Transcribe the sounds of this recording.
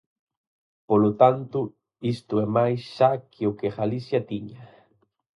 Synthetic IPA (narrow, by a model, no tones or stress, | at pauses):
polot̪ant̪u | ist̪uɛmajsʃakʰeokeɣalisjat̪iɲa